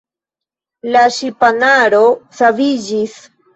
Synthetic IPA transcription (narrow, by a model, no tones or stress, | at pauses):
laʃipanaɾosavid͡ʒis